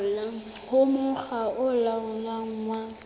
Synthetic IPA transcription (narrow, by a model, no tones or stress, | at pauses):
la | hʊmʊχaʊlaʊɲaŋ̩ŋwa